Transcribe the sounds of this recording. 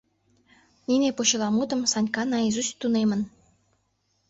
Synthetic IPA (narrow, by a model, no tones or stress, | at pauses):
ninepoɕə̆lɑmud̪ə̆msɑnʲkɑnɑizust̪unemə̆n